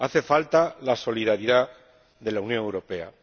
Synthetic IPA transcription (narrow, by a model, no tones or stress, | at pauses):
aθe̞falt̪alaso̞liðaɾiða | ðe̞launjoŋe̞wɾo̞pe̞a̰